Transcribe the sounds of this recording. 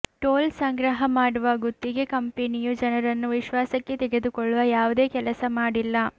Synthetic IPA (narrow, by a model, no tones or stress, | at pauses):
ʈoːlsɐŋɡɾɐɦɐmaːɽuʋaɡut̪ːiɡe̞kɐmpenijud͡ʒɐnɐɾɐnːuʋiʃʋaːsɐkːe̞t̪eɡe̞d̪ukɔɭːuʋɐjaːʋud̪e̞ːkɛlɐsɐmaːɽilːɐ